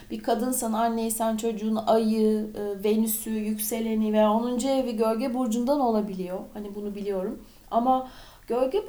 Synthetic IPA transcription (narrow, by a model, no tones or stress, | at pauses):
b̥ikʰad̪ɯnsananːe̞jisænt͡ʃʰo̞d͡ʒuːnajɯɯːve̞nysyjycse̞lʲe̞nive̞jaːonund͡ʒeːviɟø̞ɾɟebuɾd͡ʒund̪ano̞lˠabilʲijo̞hanibunubilʲijo̞ɾum | ama | ɟ̥øɾɟɛ